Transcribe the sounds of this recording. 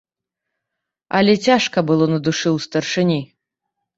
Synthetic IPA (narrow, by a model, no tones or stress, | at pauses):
ɐlʲɛt͡sʲaʂkɐbɨlˠɔnɐd̪uʂɨwst̪ɐrʂɨnʲi